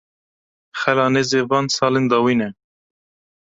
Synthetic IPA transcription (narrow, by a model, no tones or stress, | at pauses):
xɛlɑːneːzeːvɑːnsɑːlend̪ɑːwiːnɛ